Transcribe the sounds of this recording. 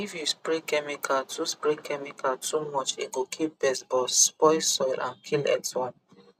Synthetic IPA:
ifjuspɹekɛmikʰatuspɹɛkʰɛmikʰatumɔt͡ʃḭɡokʰip̚bɛsbɔspɔjsɔjlʔã̰nkʰilɛ̰kswɔ̃n

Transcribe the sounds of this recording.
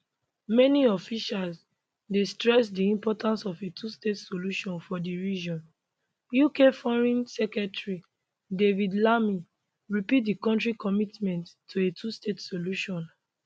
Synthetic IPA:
mɛniɔfiʃals | destɹɛsdiĩmpɔtʰãnsɔfetʰustetsoluʃɔ̃nfɔdiɹid͡ʒɔ̃n | jukefɔɹɛ̃nsɛkɹɛtɹi | devidlami | ɹipit̚dikɔ̃ntɹikɔmitmɛ̃ntːuetʰustetsoluʃɔ̃n

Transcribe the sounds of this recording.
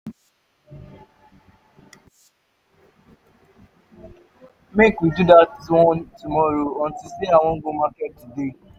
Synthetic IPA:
mekid͡ʒudatɔtumɔɾoɔn̩tiseaw̃oŋ̩ɡomaketude

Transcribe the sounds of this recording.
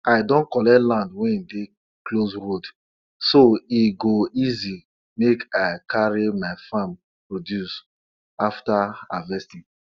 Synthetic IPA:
aɪdɔ̃nkɔlɛtlãndwɛ̃de | klosɹod | soiɡoizi | mekaɪkʰaɹimaɪfãm | pɹodjus | aftaa̰vɛsti

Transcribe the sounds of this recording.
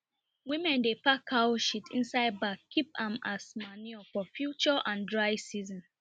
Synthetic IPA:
wĩmɛ̃ndepakʰawʃitʰḭ̃nsaɪd̚bakʰːipãmasmaniɔfɔfjut͡ʃɔʔãndɹaɪsizɔ̃n

